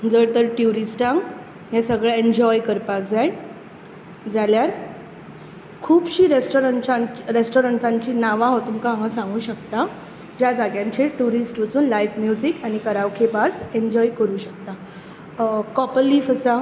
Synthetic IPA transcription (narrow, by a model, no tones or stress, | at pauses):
d͡zəɽt̪əɾʈjuɾisʈãŋɡ | jasəɡɭeeɲd͡ʑɔjkəɾpak̚d͡zajn | d͡zaljaɾ | kʰuːbɕiːɾesʈoɾəɳt͡ɕaɾesʈoɾəɳʈãɲt͡ɕiːnaʋãɦot̪umkããŋasãŋɡuːɕəkt̪a | d͡ʑjad͡zaɡjãɲt͡ɕʰeʈuɾisʈʋət͡suːnlajfmjud͡ʑikañikəɾaʋkʰebaɾseɲd͡ʑɔjkəɾuːɕək̚t̪a | kɔpəlːiːfəsa